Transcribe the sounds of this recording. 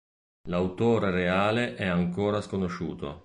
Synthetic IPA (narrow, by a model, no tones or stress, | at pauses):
lawt̪oːɾereaːleʔɛaŋkoːɾaskonoʃṵːt̪o̰